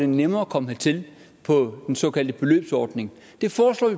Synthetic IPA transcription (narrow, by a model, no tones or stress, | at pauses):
d̥enemɐːkʰɒ̽məhæt͡sʰe̝l | pʰɒ̽d̥ensɒ̽ːkʰæl̰d̥əb̥e̝lø̰ːb̥sɒːd̥ne̝ŋ | d̥e̝fɒːslɒ̰ːʋi